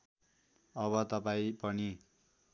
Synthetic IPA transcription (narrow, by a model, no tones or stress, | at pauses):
ʌβʌt̪ʌpaĩpʌni